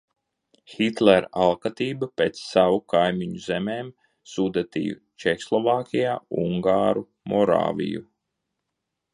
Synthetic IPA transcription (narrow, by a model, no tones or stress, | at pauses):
xit̪lɛɾalˠkat̪iːbapeːt̪ssavukajmiɲuzemeːm | sud̪at̪ḭjṵ | t͡ʃɛkslˠɔvaːkʲijaːuŋɡaːɾu | mɔɾa̰ːvʲḭju